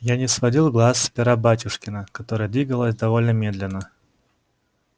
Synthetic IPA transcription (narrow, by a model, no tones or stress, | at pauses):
janʲɪsvɐdʲilˠɡlˠasːpʲɪɾabatʲʊʂkʲɪnəkɐt̪o̞ɾəjəd̪vʲiɡəlˠəsʲd̪ɐvo̞lʲnəmʲe̞d̪lʲɪnːə